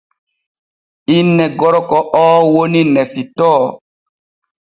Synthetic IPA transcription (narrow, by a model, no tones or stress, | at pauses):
inːɛɡɔɾɔkɔɔːwoninɛsitɔː